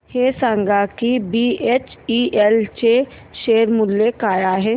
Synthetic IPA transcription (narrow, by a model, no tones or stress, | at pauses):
heːsãːŋɡakibieːt͡ʃiʔɛlt͡ʃeː | ʃeːɾmʊlːekaːjaɦɛː